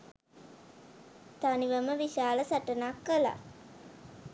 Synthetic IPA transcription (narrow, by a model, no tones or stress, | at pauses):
t̪aniʋəməʋiʃaːləsaʈənakːəla̰